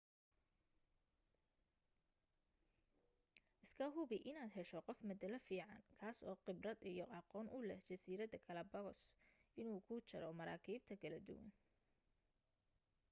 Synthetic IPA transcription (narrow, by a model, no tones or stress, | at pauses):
ʔɪskʰɐɦʊbɪʔɪnaːd̪ɦɛʃɔqɔfmɐd̪ɐlɐfiːʕɑŋkʰaːsɔ̰ːqɪbrɐd̪ijɔʔɑqɔːnʔʊlɛht͡ʃɐsiːɾɐd̪ɐkʰɐlɐbɐɣɔsʔɪnuːkʰʊt͡ʃɐɾɔmɐɾa̰ːkʰiːb̚t̪ʰɐkʰɐlɐd̪ʊ̰wɐ̰n